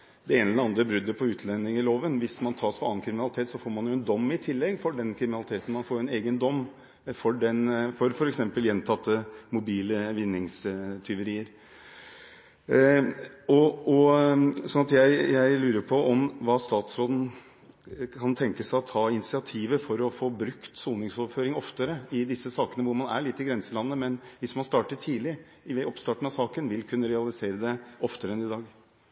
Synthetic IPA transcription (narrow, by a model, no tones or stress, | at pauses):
d̪ɛeːnɛlɾɑnd̪ɾəbɾʏd̪ːəpʰɔʉːt̪ʰlɛnːɪŋɪloːʋənʋɪsmɑnt̪ʰɑːsfɔɾɑnkʰɾɪmɪnɑlɪt̪eːt̪sɔfoːɾmɑnjʊɛnd̪ɔmːɪt̪ʰɪlːɛɡːfɔɖɛnkʰɾɪmɪnɑlɪt̪ʰeːt̪n̩mɑnfoːɾɛneːɡənd̪ɔmː | fɔɖɛnfɔɾfɔɾɛksɛmpəljɛnt̪ʰɑt̪ːəmʊbiːləʋɪnːɪŋst̪ʰʏʋəɾiːəɾ | ɔɔsɔnɑt̪jæɪjæɪlʉːɾəpʰɔʔɔmʋɑːst̪ɑːt̪sɾoːd̪n̩ | kʰɑnt̪ʰɛŋkəsæɪɔt̪ʰɑːɪnɪsɪɑt̪ʰiːʋəfɔɾɔfoːbɾʉkt̪suːnɪŋsoːføːɾɪŋɔft̪əɾəɪd̪ɪsːəsɑːkənəʋʊɾmɑnæ̰ɭɪt̪ːɪɡɾɛnsəlɑnːəmɛnʋɪsmɑnst̪ɑːʈət̪ʰiːlɪ | ɪʋɛɔpst̪ɑːʈɳ̩ɑsɑːkənʋɪlkʰʉnːəɾɛɑlˠɪseːɾəd̪ɛʔɔft̪əɾəɛnɪd̪ɑːɡ